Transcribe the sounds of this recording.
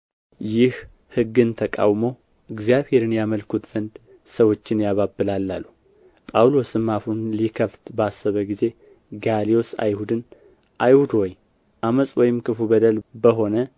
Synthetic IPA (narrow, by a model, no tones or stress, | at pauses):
jɪh | hɨɡːɨnt̪ʰəkʼa̰wmo̞ | ʔɨɡzijaβhe̞ɾɨnjaməlkʰut̪z̥ənd̪ | səwo̞t͡ʃːɪnjaβabːɨlalːalːu | pʼawlo̞sɨmːafunlikʰəft̪basːəβəɡize̞ | ɡalijo̞sa̰jhud̪ɨn | ʔajhud̪woj | ʔaməsʼwɔjɪmkɨfubəd̪əlbəɦo̞nə